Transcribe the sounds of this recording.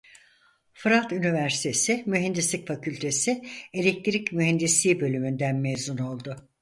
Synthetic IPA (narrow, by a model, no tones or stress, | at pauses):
fɯɾat̪ynivæɾsi̥t̪ʰe̞sɪmyɦɛnd̪islʲicfacʰylʲt̪ʰe̞sɪelʲec̚t̪ʰɾicmyɦɛnd̪islʲiːbø̞lʲymynd̪ænmezuno̞lˠd̪ʊ